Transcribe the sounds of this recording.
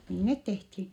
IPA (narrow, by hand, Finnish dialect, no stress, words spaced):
niː net tehthi